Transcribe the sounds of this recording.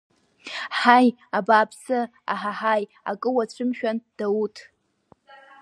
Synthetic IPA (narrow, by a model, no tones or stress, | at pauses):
ħaj | abaːpʰsɨ | a̰ħaħaj | a̰kʼɨwat͡ɕʷʰɨmʃᶣand̥autʰ